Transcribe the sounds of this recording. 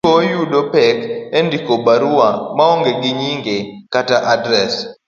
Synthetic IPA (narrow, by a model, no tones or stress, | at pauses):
ojudopɛkɛndikobaɾuamaɔŋɡeɡɪɲiŋɡekataʔadɾɛs